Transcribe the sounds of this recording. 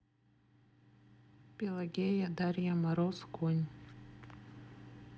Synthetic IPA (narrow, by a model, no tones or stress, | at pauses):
pʲelˠaɡʲejad̪aɾʲjamaɾoskunʲ